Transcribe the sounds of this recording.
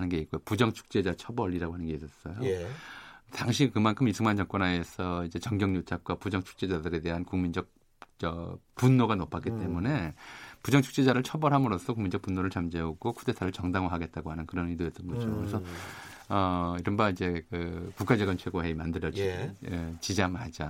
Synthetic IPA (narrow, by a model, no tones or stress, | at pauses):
anɯnɡe̞it̚k͈ojopud͡ʑʌŋt͡ɕʰu̥k̚t͡ɕ͈e̞d͡ʑat͡ɕʰʌbʌɾiɾaɡoɦanɯnɡe̞is͈ʌs͈ʌjo | taŋɕ̬ʰikɯmankʰɯmisʰuŋant͡ɕʌŋk͈ʌnaesʰʌid͡ʑe̞t͡ɕʌŋɡjʌŋɲot͡ɕʰak̚k͈wapud͡ʑʌŋt͡ɕʰu̥k̚t͡ɕ͈e̞d͡ʑadɯɾe̞de̞ɦankuŋmind͡ʑʌk̚ | t͡ɕʌpunːoɡanopʰak͈it͈e̞mune̞pud͡ʑʌŋt͡ɕʰu̥k̚t͡ɕ͈e̞d͡ʑaɾɯɭt͡ɕʰʌbʌɾɦamɯɾʌs͈ʰʌkuŋmind͡ʑʌk̚punːoɾɯɭt͡ɕamd͡ʑeoɡokʰude̞tʰaɾɯɭt͡ɕʌŋdaŋwoɦaɡe̞t̚t͈aɡoɦanɯnkɯɾʌnidojʌt͈ɯnɡʌd͡ʑokɯɾesʰʌ | ʌiɾʌnbaid͡ʑe̞kɯkuk͈ad͡ʑʌɡʌnt͡ɕʰwe̞ɡoɦe̞imandɯɾjʌd͡ʑi | t͡ɕid͡ʑamad͡ʑa